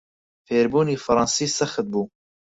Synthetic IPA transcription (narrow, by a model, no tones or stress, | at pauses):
feːɾbuːniːfɨɾˤɑːnsiːsɐxɨt̪̚buː